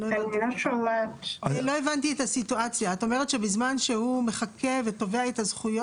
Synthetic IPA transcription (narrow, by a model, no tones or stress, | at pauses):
loaniloʃolatlo̞e̞vant̬ietasituat͡sjaːto̞meʁetʃe̞bizmanʃehumeχakʰe̞veto̞veaetazχujo